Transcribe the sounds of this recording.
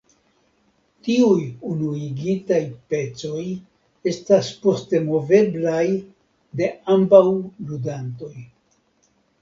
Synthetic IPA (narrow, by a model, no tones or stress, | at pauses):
tiujunuiɡitajpe̞t͡so̞j | e̞staspo̞ste̞mo̞ve̞blaj | de̞ambawludanto̞j